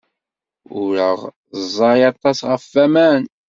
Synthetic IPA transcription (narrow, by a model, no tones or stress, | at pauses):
ʊɾəʁ | zˤːɑɾjɑt̪ˤːɑsʁəfːæmæn